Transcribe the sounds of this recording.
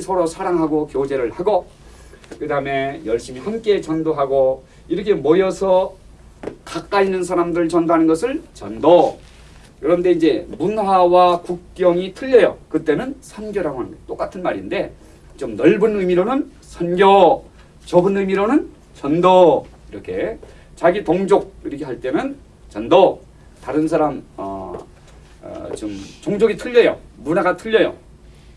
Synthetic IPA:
sʰʌɾosʰaɾaŋɦaɡokjod͡ʑe̞ɾɯɭhaɡo | kɯdaɯme̞jʌɭɕ͈imihamk͈e̞t͡ɕʌndoɦaɡo | iɾʌkʰe̞mojʌsʰʌ | kak͈ainɯnsʰaɾamdɯɯɭt͡ɕʌndoɦanɯnɡʌsʰɯɭt͡ɕʌndo | kɯɾʌnde̞ind͡ʑe̞munhwawakuk̚k͈jʌŋitʰɯʎːʌjʌ̰kɯt͈e̞nɯnsʰʌnɡjʌɾaŋwandet͈ok͈atʰɯnmaɾḭnde̞ | t͡ɕomnʌɭbɯnɯmiɾonɯn | sʰʌnɡjʌ | t͡ɕʌbɯnɯmiɾonɯn | t͡ɕʌndʌ | iɾʌkʰe̞̰ | t͡ɕaɡitoŋd͡ʑoɡ̚iɾikʰeɦaɭt͈e̞nɯn | t͡ɕʌndʌ | taɾɯns̬ʰaɾamʌ̰ | t͡ɕɯmt͡ɕoŋd͡ʑoɡitʰɯʎːʌjʌ̰munaɡatʰɯʎːʌjo̰

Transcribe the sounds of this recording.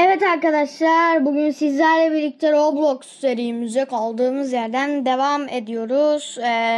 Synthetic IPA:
evɛt̪aɾkad̪aʃlˠaɾbuɟynsizlʲæɾlʲˠɛbiɾlʲic̚t̪ʰɛɾoblˠokst̪eɾijimyzɛkʰalˠd̪ɯːmɯzjæɾd̪ænd̪e̞vame̞d̪ijo̞ɾuz̥

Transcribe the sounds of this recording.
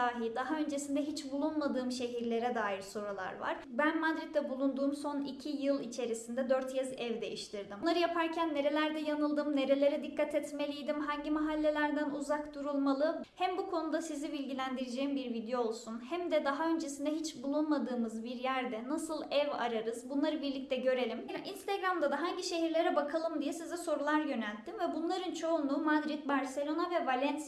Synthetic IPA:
aːɦid̪aɦaø̞nd͡ʒe̞sind̪ɛɦit͡ʃbulˠunmad̪ɯːmʃe̞ɦiɾlʲe̞ɾɛd̪aːjiɾso̞ɾulˠa̰ɾva̰ɾ̥bænmad̪ɾit̪ːɛbulˠund̪uːmso̞nicʰijɯlˠit͡ʃʰe̞ɾisind̪ɛd̪øɾt̪jʰɛzɛvd̪e̞jiʃt̪ʰiɾd̪imnˠaɾɯjapʰaɾcʰænːe̞ɾe̞lʲæɾd̪ɛjanɯlˠd̪ɯmne̞ɾe̞lʲe̞ɾɛd̪ikːat̪ʰɛt̪me̞lʲijd̪imɦaɲɟimaɦalʲːe̞lʲæɾd̪ænuzakt̪uɾulˠmalˠɯhæmbukʰo̞nud̪asizibilʲɟilʲænd̪iɾid͡ʒejimbiɾvid̪joolˠsunhæmd̪ɛd̪aɦaø̞nd͡ʒe̞sind̪ɛɦit͡ʃbulˠunmad̪ɯːmɯzbiɾjæɾd̪ɛnasɯlˠɛva̰ɾaɾɯzbunlˠaɾɯbiɾlʲic̚t̪ʰɛɟø̞ɾe̞lʲimʔinst̪aɡɾamd̪ad̪aɦaɲɟiʃe̞ɦiɾlʲe̞ɾɛbakʰalˠɯmd̪ijɛsizɛso̞ɾulˠaɾjø̞nælʲt̪ʰːimvɛbunlˠaɾɯnt͡ʃʰo̞unˠuːmad̪ɾit̪̚baɾse̞lʲo̞navɛvalʲɛns

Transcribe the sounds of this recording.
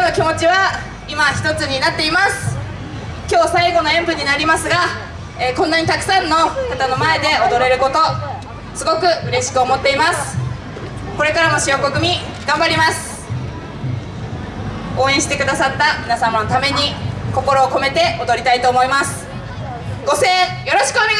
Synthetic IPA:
nokʲimo̞t͡ɕiβa | imaçi̥t̪o̞t͡sɨɲ̟inat̪ːe̞imasɨ̥ | kʲo̞ːsaiɡo̞no̞ẽ̞mpɯ̟ɲ̟inaɾʲimasɨɡa | ekõ̞nːaɲ̟it̪akɯ̟̥sãnːo̞kat̪ano̞mae̞d̪e̞ʔo̞d̪o̞ɾe̞ɾɯ̟ko̞t̪o̞ | sɨɡo̞kɯ̟ɯ̟ɾe̞ɕi̥kɯ̟omo̞t̪ːe̞imasɨ̥ | ko̞ɾe̞kaɾano̞ɕijo̞ko̞kɯ̟mʲi | ɡãmbaɾʲimasɨ̥ | o̞ːẽɕi̥t̪e̞kɯ̟d̪asat̪ːamʲinasamano̞t̪ame̞ɲ̟iko̞ko̞ɾo̞ːko̞me̞t̪e̞o̞d̪o̞ɾʲit̪ait̪o̞ːmo̞imasɨ̥ | ɡ̥o̞se̞ːjo̞ɾo̞ɕi̥kɯone

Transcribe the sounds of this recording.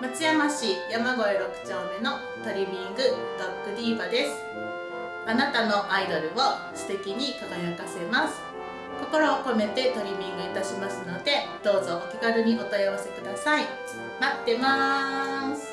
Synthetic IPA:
mat͡sɨjamaɕijamaɡo̞eɾo̞kɯ̟̥t͡ɕãnd̪eno̞ | t̪o̞ɾʲimʲĩŋɡɯ̟d̪̥akːɯ̟ɾʲiːbad̪e̞sɨ̥ | anat̪ano̞ʔaid̪o̞ɾɯ̟o̞ | sɨ̥t̪e̞kʲiɲ̟ikaɡ̪ajot̪ase̞masɨ̥ | ko̞ko̞ɾo̞ːko̞me̞t̪e̞t̪o̞ɾʲimʲĩŋɡɯ̟it̪aɕimasɨno̞d̪e̞d̪̥o̞ːzo̞ʔokʲiɡaɾɯ̟ɲ̟io̞t̪ojaβase̞kɯ̟d̪asai | mat̪ːe̞ma | sɨ̥

